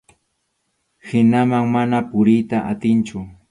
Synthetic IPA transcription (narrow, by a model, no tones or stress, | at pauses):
hɪnamaŋmanapʊɾɪjt̪aʔat̪ɪnt͡ʃʊ